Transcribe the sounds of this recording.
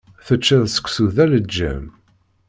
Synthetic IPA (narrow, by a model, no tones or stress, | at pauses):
θət͡ʃːæðsə̥kʷːsuðæləd͡ʒːæ̰m